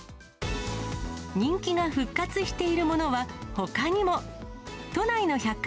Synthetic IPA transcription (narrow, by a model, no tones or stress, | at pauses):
ɲ̟ĩŋkʲiɡaɸɯ̟kːat͡sɨɕi̥t̪e̞iɾɯ̟mo̞no̞βaho̞kaɲ̟imo̞t̪o̞naino̞çakː